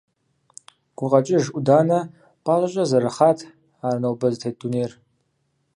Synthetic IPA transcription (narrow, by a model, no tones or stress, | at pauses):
ɡ̥ʷʊqʼat͡ʃʼɪʒʷudanɐ | pʰʼalaʒʷʼazaɾaχatʰ | aːrnawbɨztʰejt̚d̥unejr